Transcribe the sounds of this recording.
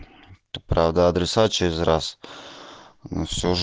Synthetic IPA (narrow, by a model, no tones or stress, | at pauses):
pɾavd̪əːd̪ɾʲɪsat͡ɕeɾʲɪzʲras | fsʲoʐ